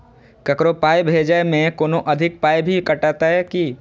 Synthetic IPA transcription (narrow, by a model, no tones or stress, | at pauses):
kɐkɾopaːjbʱeːd͡ʒamẽkoːnoʔɐd̪ʱɪk̚paːjbʱikɐʈaːt̪aɦɛki